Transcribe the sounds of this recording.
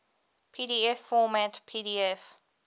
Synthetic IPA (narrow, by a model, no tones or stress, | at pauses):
pʰidiɛfːɔmætpʰidiɛf